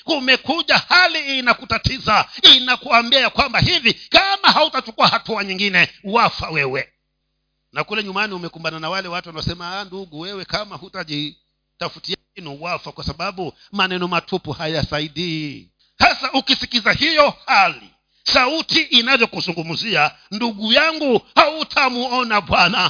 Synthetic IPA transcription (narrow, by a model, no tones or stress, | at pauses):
umɛkuʄahaliːnakutatizainakuambiajakwambahivikamaɦautat͡ʃukuahatuaɲiŋɡinɛuwafawɛwɛ | nakulɛɲumaniumɛkumbananawalɛwatuwanaɔsɛmaanduɡuwɛwɛkamahutaʄi | tafutiainiuwafakwasaɓaɓu | manɛnɔmatʰupuhajasaiɗiː | sasaʔukisikizahijɔhalḭ | sautiʔːnavjɔkuzuŋɡumuzia | nduɡujaŋɡuhautʰamuɔnaɓwana